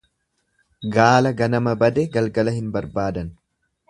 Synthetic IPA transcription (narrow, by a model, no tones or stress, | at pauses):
ɡaːlɐɡɐnɐmɐbɐd̪ɛɡɐlɡɐlɐhɪnbɐɾbaːd̪ɐn